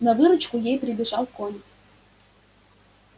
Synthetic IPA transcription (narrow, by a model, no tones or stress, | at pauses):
nɑvɨɾə̆t͡ɕkujejprʲibʲiʒɑlˠkonʲ